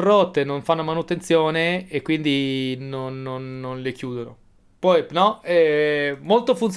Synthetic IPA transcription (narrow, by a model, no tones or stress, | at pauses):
rot̪ːenoɱfanːomanut̪ent̪sjoːneːkːwind̪inonːonːonlekjuːd̪ono | pɔjnɔɛmolt̪ofunt̪s